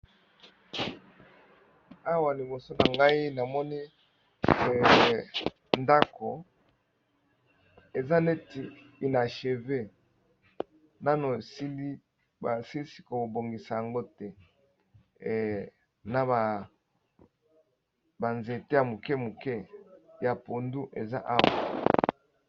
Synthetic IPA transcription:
a˦wa˨li˨bo˨so˦na˨ŋɡa˦i˦na˨mɔ˦ni˦˨ | nda˦ko˨ | e˨za˦ne˦ti˨ | i˨na˨ʃe˨ve˦ | na˦no˨si˦li˦ | ba˨si˦li˦si̥˦ko˨bo˨ŋɡi˨sa˨ja˨ŋɡo˦tɛ˦ | na˨ba˨ | ba˨nze˨te˦ja˨mu˨kɛ˦mu˨kɛ˦ja˨po˨ndu˦ʔe˨za˦ʔa˦wa̰˨

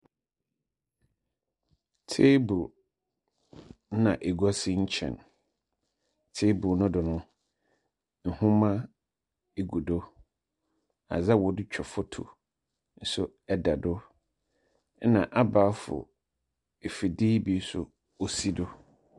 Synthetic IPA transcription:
tʰe˦bu˨˦ | nã˨ʔe˨ɡɔ˦sɪ˦ɲ̩˦t͡ɕʰɛ̰̃˨n | tʰe˦bʊ˨nʊ̃˦dʊ˨nʊ̃˦ | n̩˨hʊ̃˦mã˦ | e˨ɡu˨do˦ | a̰˨za˦wɔ˨dɪ˦t͡ɕᶣʰɔ˨fʊ˦tʰʊ̰˨ | n̩˦sʊ˦ | ɛ˦da˨dʊ˦ | nã˨ʔa˦baː˨˦fʊ̰˨ | e˨fi˨diː˦bi˨˦sʊ˨ | o˨si˦dʊ˦

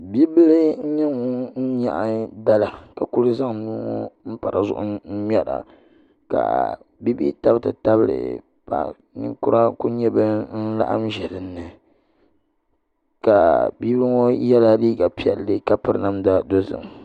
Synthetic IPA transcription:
bi˦bɨ˦lɨ˦ɲɛ˦ŋo˦n̩˦ɲa̰˨ʔda˦la˨ka˨ku˦ɾɨ˦za˦ŋnuː˦ŋo˦m̩˦pa˨ɾa˨zʊ̰˦˨ʔʊ˦n̩˦ɲɛ˦ɾa̰˨ | ka̰˨bi˦bḭ˦ta˦btɨ˨ta˦bɨ˦ɾɨ̰˨ | pa̰˨ʔ | nɨ̰˦ŋkʊ˦a˦ku˦ɲɛ˦bɨ˦n̩˦la̰˦ʔa̰˦mʒɛ˨lɨ˨nːɨ˨ | ka˨bi˦blɨ˦ŋo˦jɛ˦la˦liː˦ɡa˨pi˦ɛ̰˨lːɨ˦ka˦pɨ˦ɾɨ˦na˦mda˦do˦zɨ̰˨ŋ˨

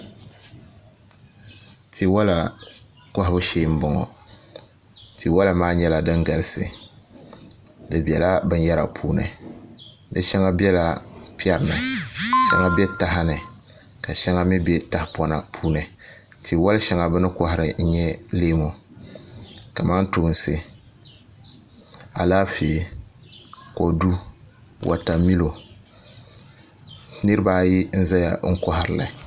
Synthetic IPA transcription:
ti˨wa˦la˨ | ka˦hɪ˦bʊ˦ʃeː˦m̩˦bɔ˨ŋɔ̰˨ | ti˨wa˦la˨maː˦ɲɛ˦la˨dɨ˦ŋɡa˨lɨ˦sɨ˨ | dɨ˨bɛ˨la˦bɨ˦n˦ja˦ɾa̰˨pʰuː˦nɨ̰˨ | dɨ˦ʃɛ˦ŋa˦bi˦ɛ˦la˦pi˦ɛ˦ɾnɨ˨ʃɛ̰˦ŋa˦bɛ˦ta˦ɦɪ˦nɨ˨ | ka˨ʃɛ˦ŋa˦mi˦bɛ˦ta˦hpɔ˦na̰˨pʰuː˦nɨ˨ti˨wa˦lʃɛ˦ŋa˨bɨ˦nɨ˦kɔ˦hɪ˨ɾɨ˨n̩˦ɲɛ˦leː˦mo˨ | ka˨ma˦n˦tu˨˦n˨sɨ˦ | a˨laː˦feː˨ | ko˨du˦ | wʔa̰˨ta˨mi˦lo˨ | nɨ˦ɾɨ˦baː˦ji˦n̩˦za˦ja̰˨ŋ̩˦kɔ˦ɦɪ˨ɾɨ˨la̰˨

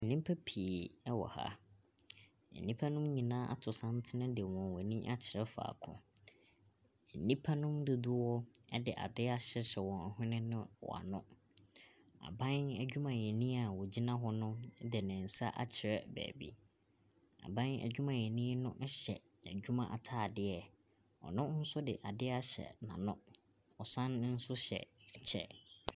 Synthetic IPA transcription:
nĩ˦m˦pʰæ˦pʰi˨e˨ɛ˦wɔ̰˨ha̰˦ | n̩˨nĩ˦pʰa˦nʊ̃˦mɲĩ˨nãː˦ʔa̰˦tʰʊ˨sã˦n˦tʰɪ˦nɪ̃˦dɪ˨wɔ̃˨n˨wɔ˨nĩ˦ʔa̰˦t͡ɕʰɪ˨ɾɛ˦fa̰ː˨kʰʊ̰̃˦˨ | n̩˨nĩ˦pʰa˦nʊ̃˦mdʊ˨dʊ˦wɔ˦ɛ˦dɪ˨ʔa̰˨dɪ˦a˦ɕɛ˦ɕɛ˨wɔ̃˨n̩˨ɦɪ̃˦nɪ̃˦nʊ̃˦wɔ̰˨a̰˨nʊ̰̃˦ | a̰˨bã˦næ˨d͡ʑᶣu˦mã˨jɛ̃˨nĩ˦a˨wɔ˨d͡ʑi˦nã˦ɦɔ˦nʊ̃˦dɪ˨nɪ̃˨n̩˨sa̰˦ʔa̰˦t͡ɕʰɪ˨ɾɛ˦bæ̰ː˨bḭ˦ | a̰˨bã˦næ̰˨d͡ʑᶣu˦mã˨ɲɛ̃˨nĩ˦nʊ̃˦ʔɕɛ̰˨ | æ˨d͡ʑᶣu˦mã˨ʔa˨tʰaː˦˨dɪ˦ɛ˨ | ɔ̰˨nʊ̃˦n̩˦sʊ˦dɪ˨ʔa˨dɪ˦a˦ɕɛ̰˨nã̰˨nʊ̃˦ | ɔ˨sã˦nn̩˦sʊ˦ɕɛ̰˨ɛ˨t͡ɕʰɛ̰˦

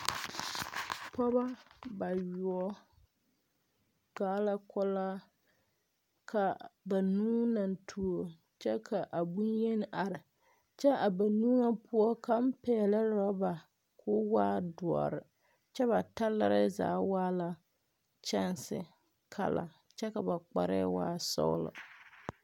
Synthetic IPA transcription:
pɔ˦ba˦ba˨jʊ˨ɔ˦ | ɡ̥aː˦la˦kɔ˦laː˦ | kʰa˨ba˨nuː˦na˨ntʰu˨o˨ | t͡ʃɛ˦kʰa˨ʔa˨bu˦njɛ˦n˦ʔa˨ɾɪ˨ | t͡ʃɛ˦a˨ba˨nuː˦ŋa˦pʊ˦ɔ˦ka˨m̩˦pɛː˨la˦ɾɔ˦ba˨ | kʰʊ˦waː˦dʊ˨ɔ̰˨ɾɪ̰˨ | t͡ʃɛ˦βa˨ta˦la̰˦ɾɪ˦za̰ː˨˦waː˦la˦ | t͡ʃɛ˦nsɪ̰˦ | kʰa̰˦la̰˨ | t͡ʃɛ˦ka˨ba˨k͡pa̰˨ɾɛ̰˦wa̰ː˦sɔ̰˦w̰lʊ̰˨

